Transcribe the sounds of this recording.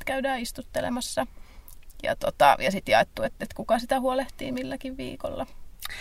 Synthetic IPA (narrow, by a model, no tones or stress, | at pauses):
t̪kæydæːist̪ut̪ːelḛmɑsːɑ | jɑ̰t̪ot̪ɑ̰jɑsit̪jɑet̪ːuet̪et̪kukɑsit̪æhuoleht̪ḭːmilːækiʋʋḭːko̰lːɑ